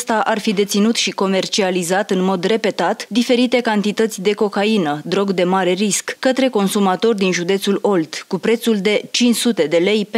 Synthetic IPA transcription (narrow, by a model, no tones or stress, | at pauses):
st̪aʔarfid̪e̞t̪sinut̪ʃiko̞me̞rt͡ʃializat̪ɨnmo̞d̪re̞pe̞t̪at̪d̪ife̞ɾit̪e̞kant̪it̪ət̪sʲd̪e̞ko̞kainəd̪ɾo̞ɡd̪e̞maɾe̞ɾiskkət̪ɾe̞ko̞nsumat̪o̞rd̪inʒud̪e̞t̪sulo̞lt̪kupɾe̞t̪suld̪e̞t͡ʃint͡ʃsut̪e̞d̪e̞le̞jp